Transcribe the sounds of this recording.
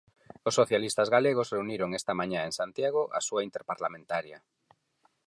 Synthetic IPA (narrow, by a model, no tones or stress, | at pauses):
osːoθjalist̪azɣaleɣ̞osreuniɾoŋest̪amaɲaeŋsant̪jaɣ̞oʔa̰suaint̪eɾpaɾlamẽnt̪aɾja